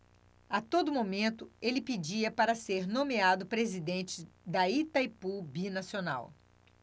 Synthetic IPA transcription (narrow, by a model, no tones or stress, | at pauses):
at̪od̪ʊmomẽnt̪ʊelɪpid͡ʒiɐpaɾɐseɾnõmead̪ʊpɾezid̪ẽnt͡ʃɪd̪ɐit̪ajpubinasiona̰w